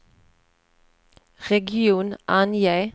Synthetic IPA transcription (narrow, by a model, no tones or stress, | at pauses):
ʁɛɡɪuːnʔɑnjæɪ